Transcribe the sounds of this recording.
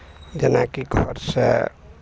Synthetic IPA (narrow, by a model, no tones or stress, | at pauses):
d͡ʒenakiɡʱɔɾsḛ